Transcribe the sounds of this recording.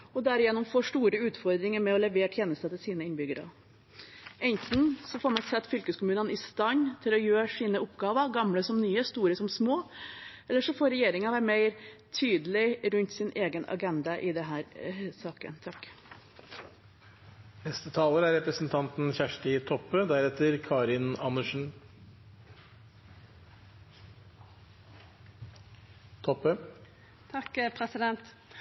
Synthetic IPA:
ɔd̪æɾɪjɛnːʊmfoːʂʈ̪uːɾəʉːt̪fɔɾd̪ɾɪŋəɾmɛɔlɛʋeːʈʰjeːnəst̪ət̪ʰɪlsiːnəɪnbʏɡəɾɑ̰ | ɛnt̪n̩sɔfoːɾmɑnsɛt̪ːfʏlkəskʊmʉːnənɪst̪ɑnt̪ʰɪlɔjøːɾʂiːnəʊpɡɑːʋəɾɡɑmləsɔmnyːəst̪uːɾəsɔmsmoːɛlːəʂɔfoːɾɛjeːɾɪŋnɑʋæːɾmeɪɾt̪ʰyːd̪əlɪɾʉnt̪sɪnʔeːɡənɑ̰ɡɛnd̪ɑʔɪd̪ɛɦæːɾsɑːkə̰nt̪ʰɑkː | nɛst̪ət̪ʰɑːləɾæɾɛpɾəsn̩t̪ʰɑnt̪n̩çæʂʈɪt̪ʰɔpːød̪æɾɛt̪əɾkʰɑːɾɪnɑnəʂn̩ | t̪ʰɔpø | t̪ʰɑkpʰɾɛsɪd̪ɛnt̪

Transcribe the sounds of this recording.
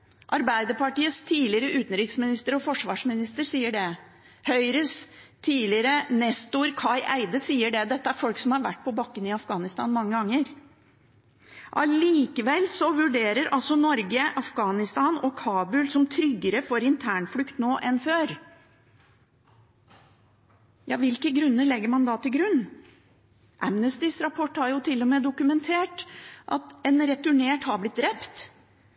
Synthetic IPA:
ʔɑɾbæɪd̪əpɑʈiːəst̪ʰiːlɪɾəʔʉːt̪n̩ɾɪksmɪnɪst̪əɾɔfɔʂʋɑːʂmɪnɪst̪əɾsiːəɖɛ | hœʏɾəst̪ʰiːlɪɾənɛst̪uːɾkʰɑɪʔæ̰ɪd̪əsiːəɖɛd̪ɛt̪ːəæɾfɔlksɔmhɑɾʋæ̰ʈːpʰɔbɑkːənɪɑfɡɑːnɪst̪ɑ̰ːnmɑŋːəɡɑŋːəɾ | ʔɑ̰liːkəʋɛlsɔʋʉɖeːɾəɾʔɑlsɔnɔɾɡəʔɑfɡɑːnɪst̪ɑːnɔkʰɑːbʉlsɔmt̪ʰɾʏɡːəɾəfɔɾɪnt̪ʰæːɳflʉkt̪noːʔɛnføːɾ | jɑːʋɪlkəɡɾʉnːəɭɛɡːəɾmɑnd̪ɑːt̪ɪlɡɾʉnː | ʔæmnəst̪ɪsɾɑpʰɔʈːhɑɾjʊt̪ʰɪlːɔmeːd̪ʊkʉmɛnt̪ʰeːʈʔɑ̰t̪ɛnɾɛt̪ʉɳeːʈhɑblɪt̪̚d̪ɾɛpt̪

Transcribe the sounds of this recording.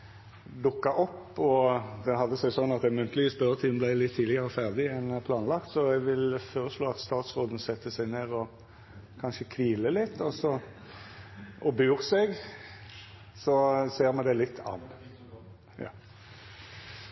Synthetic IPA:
d̪ʊkːɑʔɔpːɔd̪ɛɦɑd̪ːəsæɪsɔnːɑt̪̚d̪ɛmʉnt̪əlʋiːsbœɾət̪ʰiːnblæɪlɪt̪ʰːiːd̪lɪɡəɾəfæʁd̪ɪɛnpʰlɑːnlɑkt̪sɔɛɡʋɪlfoːɾəsloːɑt̪st̪ɑːt̪sʁoːd̪n̩sɛt̪ːəsæɪɡneːʁɔ | kʰɑnʃəkʰʋiːləlɪt̪ːɔsɔ | ʔɔbʉʁsɛɡ | sɔseːɾmɛnd̪ɛlɪt̪ʰːɑ̰n | jɑ̰ː

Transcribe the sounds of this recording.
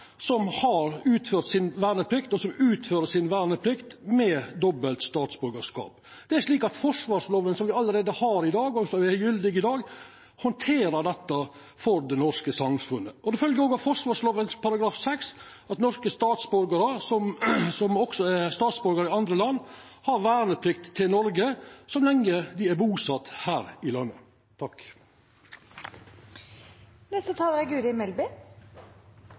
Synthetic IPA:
sɔmhɑɾʉːt̪føːɾt̪sɪnʋæːɳəpʰɾɪkt̪ɔsɔmʉːt̪føːɾəsɪnʋæːɳəpʰɾɪkt̪mɛd̪ɔbəlt̪st̪ɑːt̪sbʉɾɡəʂkɑ̰ːp | d̪̥ɛæɾʂɭiːkɑt̪fɔʂʋɑːʂloːʋənsɔmʋɪɑlːəɾeːd̪əhɑːɾɪd̪ɑːɡɔsɔʋɪæjʏld̪ɪɡɪd̪ɑːɡ | hɔnt̪ʰeːɾəd̪ɛt̪ːɑ | fɔɾd̪ɛnɔɾʂkəsɑmfʉnːəʔɔd̪ɛfœlɡəɾɔːɡɑfɔʂʋɑːʂloːʋənpʰɑɾɑɡɾɑːfsɛks | ɑt̪nɔɾskəst̪ɑːt̪sbɔɾɡəɾəsɔmsɔmɔksɔæɾst̪ɑːt̪sbɔɾɡəɾɪɑnd̪ɾəlɑnː | hɑɾʋæːɳəpʰlɪkt̪ʰːɪlnɔɾɡəsɔmlɛŋːəd̪ɪæɾbuːsɑt̪hæːɾɪlɑnːə | t̪ʰɑk | nɛst̪ət̪ʰɑːləɾæɡʉːɾɪmɛlbɪ

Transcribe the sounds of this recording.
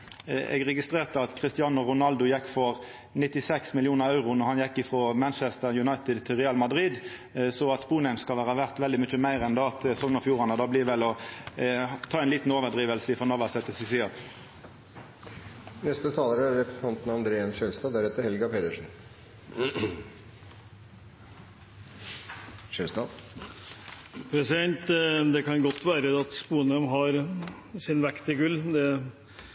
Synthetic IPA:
ɛ̰ɡʁɛɡɪst̪ʁeːʁt̪əɑt̪kʰʁɪst̪ɪɑːnəʁʊnɑld̪ʊjɛkːfɔʁ | nɪt̪ːɪsɛksmɪlɪuːnəʁɑʉʁʊnɔhɑnjɛkːɪfʁoːmænt͡ʃɛst̪əʁjʉnɑɪt̪ɪd̪t̪ʰɪʁɛːɑlmɑd̪ʁid̪ | sɔːɑt̪spuːnɛmskɑlʋæːʁɑʋæʁt̪ʋɛld̪ɪmʏt͡ʃːəmæɪʁɛnd̪ɑɑt̪sɔŋnəfjuːʁɑnəd̪ɑːbliːʋɛlːɔ | t̪ʰɑːɛɪnliːt̪n̩oːʋəd̪ʁiːʋəlsəɪfɾɔnɔʁʋɑsɛt̪ːəsɪsɪɑp | nɛst̪ət̪ʰɑːləɾəɾɛpɾɛsnt̪ɑnt̪nɑnd̪ɾeːənʃøːlst̪ɑːd̪æɾɛt̪əɾhɛlɡɑpʰeːd̪əʂn̩ | ʃøːlst̪ɑːd̪ | pʰɾɛsɪd̪ɛnt̪d̪ɛkʰɑnɡɔt̪ːʋæːɾəd̪ɛɑt̪spuːnœmɦɑɾ | sɪnʋækt̪ɪɡʉlːd̪ɛ

